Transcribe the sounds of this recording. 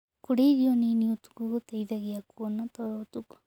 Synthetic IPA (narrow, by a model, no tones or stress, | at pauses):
kuɾeiɾioniniut̪u̥kuɣut̪ejðaɣiakuonat̪oɾoːt̪uku̥